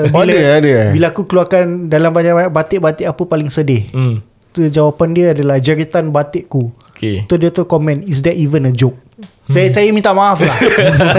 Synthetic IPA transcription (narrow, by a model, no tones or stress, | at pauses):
biləadəbilakukəluarkandalambaɲaʔbaɲakbat̪eʔbat̪eʔapəpalɪŋsədɪh | t̪ud͡ʒawapandiəadalahd͡ʒəɾit̪anbat̪eʔkuket̪odiət̪okɔmɛ̃nis̬dɛtivənəd͡ʒop̚ | asajəmint̪aʔmaafla